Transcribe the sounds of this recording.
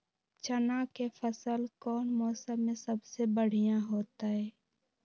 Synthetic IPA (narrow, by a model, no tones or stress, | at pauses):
t͡ʃənakefʰəsəlkɔːnmɔːsəmẽsəbsebəɽ̤ijãɦoːt̪aɦɛː